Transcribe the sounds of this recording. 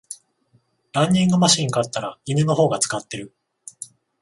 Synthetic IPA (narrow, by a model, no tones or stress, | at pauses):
ɾãɲ̟ːĩŋɡamaɕĩŋkat̪ːaɾaimeno̞ɦo̞ːɡat͡sɨ̥kat̪ːe̞ɾɯ̟